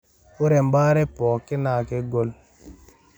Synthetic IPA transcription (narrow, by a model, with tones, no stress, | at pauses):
ʊ˦ɾɛ˨m˦ba˦ɾɛ˦pɔː˨kɪ˦naː˨ke˦ɡo˦l